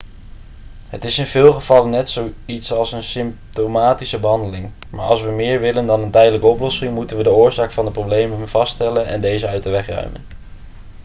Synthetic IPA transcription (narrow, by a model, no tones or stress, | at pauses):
ɦətɪsɪnv̥ɪːlˠχəv̥ɑlənːɛtsowitsɑlˠsənsɪmtomaːtisəbəɦɑndəlɪŋ | ma̰ːɹʔɑ̰lˠs̬ʋəmɪːɹʋɪləndɑnəntɛjdələkəɔplɔsɪŋmutənʋədəʊːɹzaːkfɑndəproblejməɦəmv̥ɑstɛlənɛ̰ndejzəœɥtəʋɛχrœ̰ɥmə̰n